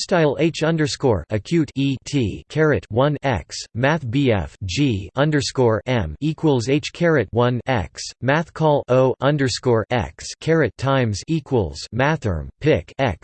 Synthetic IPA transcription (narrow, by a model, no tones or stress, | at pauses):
staɪl̩ˠeɪt͡ʃʌ̃ndə˞skɔɹɨkʰj̥ʉtitʰikʰɛɹɨt̚wʌ̃nɛ̰ksmæθb̥iɛ̰fd͡ʒiʌ̃ndə˞skɔɹɛ̃mikʰwəl̩ˠzeɪt͡ʃkʰɛɹɨt̚wʌ̃nɛ̰ksmæθkʰɔlˠʔoʊʔʌ̃ndə˞skɔɹʔɛ̰kskʰɛɹɨtʰãɪ̃mzikʰwəlˠz̥mæθə̰̃˞mpʰɪkɛ̰ks